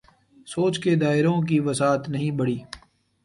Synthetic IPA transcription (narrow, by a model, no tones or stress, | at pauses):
soːt͡ʃked̪aːɪɾõk̬iʋɐsaːt̪nɐɦĩbɐɽiː